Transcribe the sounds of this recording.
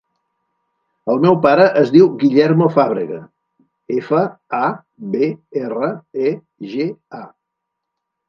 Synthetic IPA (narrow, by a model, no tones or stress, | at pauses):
əlˠmɛwpaɾəʔəzðiwɣiʎɛɾmofaβ̞ɾə̰ɣə | efəa | beerəe | ʒea